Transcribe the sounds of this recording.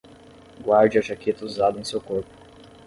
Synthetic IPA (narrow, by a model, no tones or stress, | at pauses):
ɡwaɾd͡ʒɪaʒaket̪ɐuzad̪ɐ̃sewkoɾpʊ̥